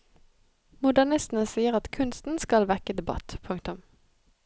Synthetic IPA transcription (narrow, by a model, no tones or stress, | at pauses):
mʊd̪æʁnɪst̪n̩əsiːəʁɑt̪kʰʉnst̪n̩skɑlʋɛkəd̪ɛbɑ̰t̪pʰʉŋk̚t̪ʊm